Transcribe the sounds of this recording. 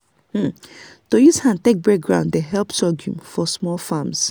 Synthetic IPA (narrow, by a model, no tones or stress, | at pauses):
mm̩tojushãntek̚bɛk̚ɡɹã̰ʊ̃nddeɦɛlpsɔɡjṵ̃mfɔsmɔlfams